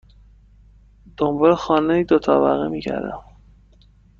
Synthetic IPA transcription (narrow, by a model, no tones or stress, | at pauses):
d̪̥ombɒlexɒːneiːd̪ot̪ʰɒːvæ̰ɣḛmiːcʰæ̰ɾd̪æ̰m